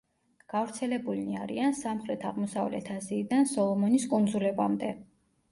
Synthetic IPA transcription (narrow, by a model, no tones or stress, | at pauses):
ɡ̥avɾt̪sʰɛlɛbulniaɾḭansamχɾɛt̪ʰaʁmɔsavlɛ̰t̪ʰaziːd̪ansɔlˠɔmɔniskʼund̪zulɛba̰md̪ɛ